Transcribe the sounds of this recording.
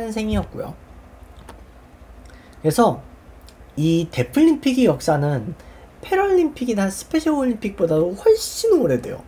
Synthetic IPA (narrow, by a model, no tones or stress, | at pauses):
nɯns̬ʰe̞ŋiʌk̚k͈ujo̰ | kɯɾe̞sʰʌ | ite̞pʰɯʎːimpʰiɡijʌk̚s͈anɯnpʰe̞ɾoʎːimpʰiɡinasʰɯ̥pʰe̞ɕʰʌɭoɭʎːimpʰik̚p͈odadoɸwʌɭɕ͈inmoɾede̞̰jo̰